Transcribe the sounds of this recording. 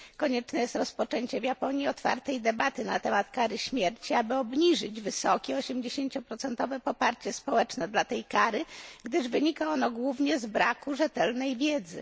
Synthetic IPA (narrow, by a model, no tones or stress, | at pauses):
kɔɲɛt͡ʂnɛjɛst̪ɾɔspɔt͡ʂɛɲt͡ɕɛvjapɔɲjiɔt̪fa̰ɾt̪ɛjd̪ɛbat̪ɘna̰t̪ɛmat̪kaɾɘɕmʲjɛɾt͡ɕiabɘɔbɲiʐɘd͡ʑvɘsɔkʲɛɔɕɛmd͡ʑeɕeɲt͡ɕɔpɾɔt̪sɛnt̪ɔvɛpɔpaɾt͡ɕɛspɔwɛt͡ʂnɛd̪lat̪ɛjkaɾɘɡd̪ɘʐvɘɲikaɔnɔɡwuvɲɛzbɾakuʐɛt̪ɛlnɛjvʲjɛd̪zɘ̰